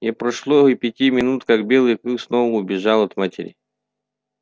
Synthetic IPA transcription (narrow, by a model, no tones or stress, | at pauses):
jepɾɐʂlˠoipʲɪtʲimʲɪnut̪kak̚bʲelˠɨjkɾuksnovəʊbʲɪʐalˠɐt̪matʲɪ̰ɾʲɪ